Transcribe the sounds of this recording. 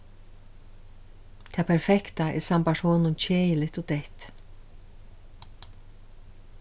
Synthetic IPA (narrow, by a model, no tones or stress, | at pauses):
t̪ʰaːpʰɛɾfɛkt̪aɛ̰ɾsampaʂhoːnʊnt͡ɕʰeːjɪlɪt̪ɔt̪ɛht̪